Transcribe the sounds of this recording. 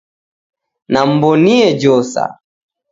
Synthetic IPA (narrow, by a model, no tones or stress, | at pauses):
nam̩bɔniɛd͡ʒɔsa̰